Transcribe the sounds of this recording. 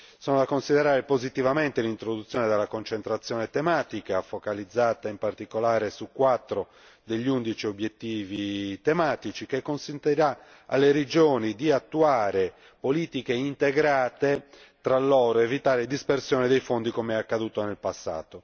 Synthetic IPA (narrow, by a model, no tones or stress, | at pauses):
sɔːnod̪akonsiðɛɾaːɾepozit̪ivament̪elint̪ɾod̪ut̪sːjɔːned̪elːakont͡ʃent̪ɾat̪sːjɔːnet̪emaːt̪ikafokalid̪zːaːt̪aimpart̪ikolaːɾesukːwat̪ːɾo | d̪eʎːund̪it͡ʃiobjet̪ːiːvit̪emaːt̪it͡ʃikekːonsent̪iɾa | a̰lːeɾed͡ʒoːnid̪iat̪ːuaːɾe | poliːt̪ikeint̪eɡɾaːt̪e | t̪ɾalːɔːɾoevit̪aːɾed̪ispersjɔːned̪ejfond̪ikomeɛakːad̪uːt̪onelpasːa̰ːt̪o